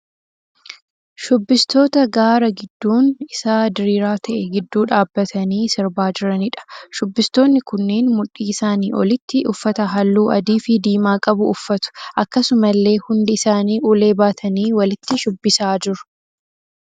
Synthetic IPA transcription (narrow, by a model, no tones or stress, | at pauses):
ʃʊbːɪst̪o̞ːt̪ɐɡaːɾɐɡɪd̪ːuːnɪsaːd̪ɪɾiːɾaːt̪ʰɐʔɛɡɪd̪ːuːᶑaːbːɐt̪ʰɐniːsɪɾbaːd͡ʒɪɾɐnɪᶑɐ̥ʃʊbːɪst̪o̞ːnːɪkʊnːeːnmʊᶑːiːɪsaːniːʔɔlɪt̪ːɪʔʊfːɐt̪ɐɦɐlːuːʔɐd̪iːfɪd̪iːmaːkʼɐbʊʊfːɐt̪ʊ̥ʔɐkːɐsʊmɐlːe̞ːhʊnd̪ɪɪsaːniːʔuːle̞ːbaːt̪ʰɐniːwɐlɪt̪ːɪʃʊbːɪsaːd͡ʒɪɾʊ̥